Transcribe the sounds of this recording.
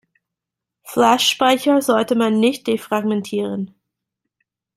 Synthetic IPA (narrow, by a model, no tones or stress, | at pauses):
flɛʃːpaɪçɐzɔltəmanːɪçt̚d̥efʁ̥aɡmɛntʰiːʁən